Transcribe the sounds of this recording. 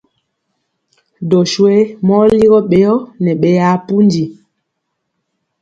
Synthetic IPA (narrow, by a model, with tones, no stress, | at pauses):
dɔ˨ʃwe˦mɔ˦li˦ɣɔ˦ɓe˨˦jɔ˦nɛ˨ɓɛ˨ja˨˦pu˦ndi˨